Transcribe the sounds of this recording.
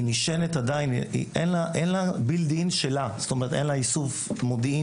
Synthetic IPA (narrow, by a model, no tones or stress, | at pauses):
imiʃenet̪ad̪ainḭʔḛnlaʔenlabild̪iinʃelazst̪omeʁet̪enlaisufmod̪ii